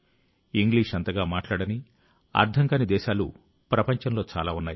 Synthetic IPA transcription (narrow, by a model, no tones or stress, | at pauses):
iŋɡliːʂɐnt̪ɐɡaːmaːʈlaːɽɐni | ɐ̰ɾd̪ʱɐŋkɐnid̪ɛːʃaːlṵ | pɾɐpɐɲt͡ʃɐnlo̞ːt͡ʃa̰ːlaːunːaːji